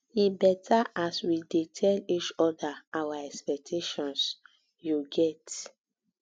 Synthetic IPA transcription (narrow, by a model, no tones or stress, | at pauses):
ibɛtʰaaswidetʰɛlit͡ʃɔdaawaɛkspɛk̚tʰeʃɔ̃ns | juɡɛt